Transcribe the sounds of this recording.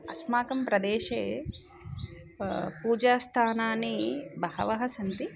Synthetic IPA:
ɐsmaːkɐmpɾɐd̪eːʃeː | puːd͡ʒaːst̪ʰaːnaːnibɐɦɐ̰ʋɐɦɐsɐnt̪i

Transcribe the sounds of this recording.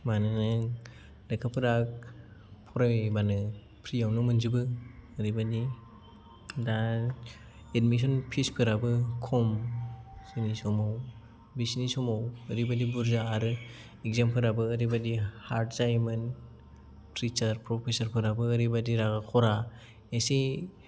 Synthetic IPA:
manɯnɯ | lakʰapʰɯɾak̚pʰɔɾajbanɯ | pʰɾijawnɯmɯnzibɯːɾibadi | da | edmis̬ɔnpʰispʰɯɾabɯkʰɔm | sɯnisɔmaw | bisnisɔmawɯɾibadibuɾzaːɾɯ | ek̚zempʰɯɾabɯːɾibadihaɾtzajmɯn | pɾit͡ʃɐɾpɾɔpʰesɐɾpʰɯɾabɯːɾibadiɾaɡakʰɔɾa | esi

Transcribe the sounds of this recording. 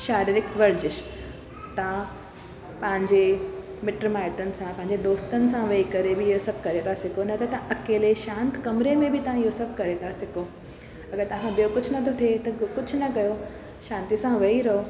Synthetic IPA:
ʃaːɾiːɾɪkʋɐɾd͡ʑɪʃ | t̪ɐã | pɐ̃ɦɪ̃ɲd͡ʑemɪʈɾmaːɪʈənɪ̆sãpɐ̃ɦɪ̃ɲ̆d͡ʑed̪oːst̪ənɪ̆sãʋɐikɐɾebɪɪɦosɐb̚ʱkɐɾet̪ʰasɪkʰonɐt̪ʰat̪ɐʔɐkeːleʃãːnt̪kɐmɾemẽbɪt̪ɐʋ̤ãɪɦosɐb̚ʱkɐɾet̪ʰasɪko | ɐɡəɾt̪ɐʋ̤ãbijokʊd͡ʑʱʊnɐt̪ʰot̪ʰet̪ɐkʊd͡ʑʱʊnɐkɐjo | ʃãːnt̪isãʋɐiɾɐɦo

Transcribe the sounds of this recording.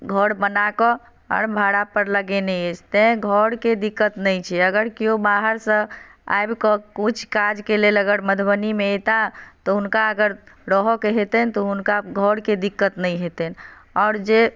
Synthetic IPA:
ɡʱəɽbənakɔ | ɔ̰ɾbʱaɽapəɾləɡenɛed͡ʒt̪ɛ̃ɡʱəɽked̪ikːət̪nəjt͡ʃʰɛəɡəɾkijobaɦəɾsə̃a̰jbkɔkut͡ʃʰkad͡ʒkeleləɡəɽməd̪ʰʱbənimeet̪at̪ɔɦunkaəɡəɾɾəɦɔkeɦet̪ənt̪ɔɦunkaɡʱɔɽked̪ikːət̪nəjɦet̪ənɔʊɾd͡ʒe

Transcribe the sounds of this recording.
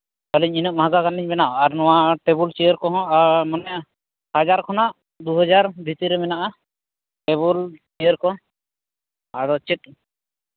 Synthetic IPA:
k̪ɔliɲinɔʔ̚mɦaɡaɡaniɲbɛnaʔɔaɾnɔ̃waʈebult͡ʃijəɾkɔɦɔ̃aɾmɔnɛja | had͡ʒaɾkʰɔnaʔ | d̪uɦɔd͡ʒaɾbʱit̪iɾɛmɛnaʔa | ʈeβult͡ʃijəɾkɔ | aɽɔt͡ʃit̪̚

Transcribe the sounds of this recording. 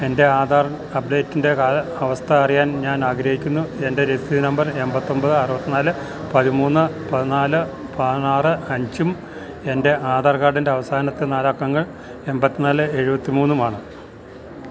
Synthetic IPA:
e̞nde̞aːðaːr | ɐpɖe̞ːtːinde̞kaːlɐʋɐst̪ʰɐɐrijaːnɲaːnaːɡɾɐhikʲːunːue̞nde̞ɾesiðɨnɐmbɐre̞mbɐt̪ːo̞mbɐðɨɐrɨbɐt̪ːinaːlɨ | pɐðimuːnːɨpɐðinaːlɨpɐðinaːrɨɐɲd͡ʑum | e̞nde̞ʔaːðaːrkaːɽinde̞ɐʋɐsaːnɐt̪ːenaːlaːkːɐŋːɐɭ | e̞mbɐt̪ːinaːlɨe̞ɻubɐt̪ːimuːnːumaːɳɨ

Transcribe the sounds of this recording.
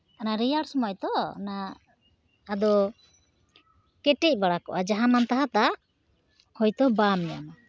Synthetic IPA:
anaɾijaɽsɔmajt̪ɔnaː | d̪ɔ | kɛʈɛc̚ˀbaɽakɔ̰ʔad͡ʒaɦamant̪aɦat̪aʔ | hɔjt̪ɔbamɛja̰ma

